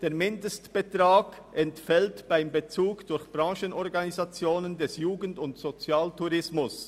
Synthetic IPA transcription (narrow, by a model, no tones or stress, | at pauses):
d̥eːɐmɪndəstb̥etʁ̥aːɡ | ʔɛntfɛltb̥aɪmbet͡suːɡd̥ʊɐçb̥ʁɑ̃ːʃənɔʁɡanizat͡sjoːnəndɛsjuːɡn̩tʊntz̥ot͡sjaːltuʁɪsmʊs